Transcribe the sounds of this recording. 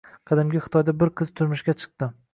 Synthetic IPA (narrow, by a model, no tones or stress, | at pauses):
qʰɑd̪ɪmɡʲaχɨ̥t̪ʰɒjd̪abɪɾqʰɨzt̪ʰʊɾmɪʃɡʲat͡ʃʰɨ̥q̚t̪ɪ